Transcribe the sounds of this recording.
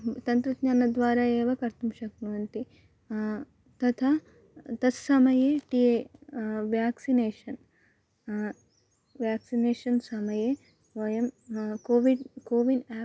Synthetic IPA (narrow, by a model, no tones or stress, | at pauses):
t̪ɐnt̪ɾɐd̪ɲaːnɐd̪ʋaːɾaːeːʋɐkɐɾt̪umʃɐkmɐʋɐnt̪i | t̪ɐt̪ʰaː | t̪ɐssɐmɐjeːʈieːʋjaːksineːʃɐn | ʋjaːksineːʃɐnsɐmɐjeː | ʋɐjɐmkoːʋiɖkoːʋinaː